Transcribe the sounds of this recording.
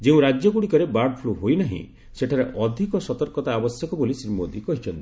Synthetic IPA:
d͡ʒeũɾad͡ʒjɔɡuɽikɔɾebaɖpʰloɦojnaɦḭ̃ | seʈʰaɾeʔɔd̪ʱikɔsɔt̪ɔɾkɔt̪aːbɔsjɔkɔbolisɾimod̪ikɔɦit͡ʃʰɔnt̪i̥

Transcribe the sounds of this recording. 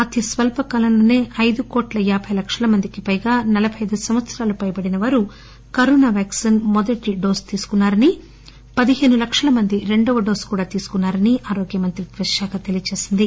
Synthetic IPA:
ɐt̪isʋɐlpɐkɐlɐnlɐːne̞ːʔɐjd̪ukoːʈlɐjaːbʱɐjlɐkʂɐlɐmɐnd̪ikipɐjɡaːnɐlɐbʱɐjɐd̪usɐmʋɐt̪sɐɾaːlupɐjɐpɐɽinɐʋaːɾu | kɐɾɔːnaːʋaːksinmɔd̪ɐʈiɖoːst̪iːsu̥kunːaːɾɐni | pɐd̪iɦe̞ːnulɐkʂɐlɐmɐnd̪iɾe̞ɳɖɔʋɐɖoːskuːɽaːt̪iːsu̥kunːaːɾɐniʔaːɾoːɡjɐmɐnt̪ɾiʋɐʃaːkɐt̪elijɐt͡ʃe̞ːsind̪i

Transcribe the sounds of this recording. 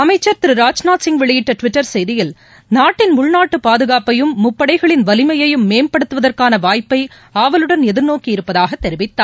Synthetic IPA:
ɐmɐɪt͡ʃːɐɾt̪ɪɾɯɾaːd͡ʒnaːsɪŋɡʋɛɭɪjɪʈːɐʈʋɪʈːɐɾsɛjðɪjɪl | naːʈːɪnmʊɭnaːʈːɯpaːðɯɣaːpɐjɯmːʊpːɐɽɐɪɣɐɭɪnʋɐlɪmɐjɐjɯmːeːmpɐɽɯt̪ːɯʋɐðɐrkaːnɐʋaːjpːɐɪ | aːʋɐlɯɽɐnɛðɪɾnoːkiɪɾɯpːɐðaːɣɐt̪ːɛɾɪʋɪt̪ːaːɾ

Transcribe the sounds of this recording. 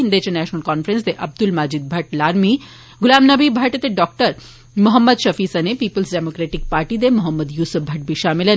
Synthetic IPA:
ind̪et͡ʃenɛːʃnəlkɔːnfɾensd̪eʔɐb̚d̪ulmaːd͡ʒid̪̚bʱɐʈlaːɾmi | ɡʊlaːmnɐbibʱɐʈt̪eɖɔːk̚ʈəɾ | mʊɦəmːəd̪ʃɐfiːsɐnepiːpəlsɖemoːkɾeːʈik̚paːɾʈid̪emʊɦəmːəd̪juːsəfbʱɐʈ̚biʃaːmilɐn

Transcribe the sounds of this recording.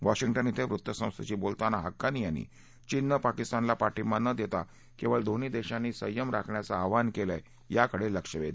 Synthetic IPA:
ʋaɕiŋʈənit̪ʰeʋɾut̪ːəsə̃w̃st̪ʰət͡ɕiːbolt̪anaɦəkːanijanḭː | t͡ɕinːəpakist̪anlapaʈimanəd̪jet̪a | kiʋəɭd̪ʱonid̪eɕãnːiːsə̰jəmɾakʰɳjat͡saːʋankela | jakəɽeləkʂəʋed̪

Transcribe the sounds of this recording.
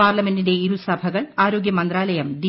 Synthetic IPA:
aːrlɐme̞ndinde̞iɾusɐbʱɐɣɐɭaːɾo̞ːɡjɐmɐnd̪raːlɐjɐmd̪i

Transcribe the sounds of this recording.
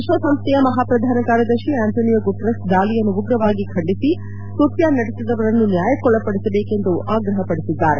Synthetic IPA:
iʃʋɐsɐmst̪ʰɛjɐmɐɦaːpɾɐd̪ʱaːnɐkaːɾjɐd̪ɐɾʃiaːnt̪ʰoːnijɐɡuʈɾɐsd̪aːlijɐnːuuɡɾɐʋaːɡikʰɐɳɖisi | k̪up̪jaːnɐɽesid̪ɐʋɐɾɐnːunjaːjɐkɔɭːɐpɐɽisɐbeːke̞nd̪uʔaːɡɾɐɦɐpɐɽesid̪ːaːɾe

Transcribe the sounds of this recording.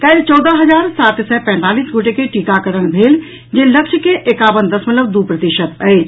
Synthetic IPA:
kɛɪlt͡ʃɔːd̪əɦɐzaːɾsaːt̪sɛpɛ̃nt̪aːliːsɡʊʈekeʈikakəɾəñbʱeːl | d͡ʒelɐkʃʰəkeʔekaːʋənd̪ɐsmət̪ləbd̪upɾət̪iʃət̪əe

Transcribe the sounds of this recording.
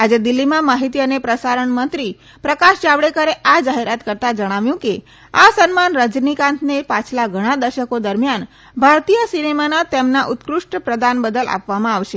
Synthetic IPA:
ad͡ʒed̪ilːimãmaɦit̪̬iənepɾəsaɾəɳmənt̪ɾi | pɾəkaʃd͡ʒaʋɭekəɾeʔad͡ʒaɦeɾat̪kəɾt̪ad͡ʒəɽ̃aʋjũke | asənmanɾəd͡ʒnikãnt̪ʰnepat͡ʃʰlaɡʱəɽ̃ad̪əɾʃəkod̪əɾmjan | bʱaɾt̪ijəsinemanat̪emnaʔut̪kɾuʂʈpɾəd̪anbəd̪əla̰pʋamãaʋʃe

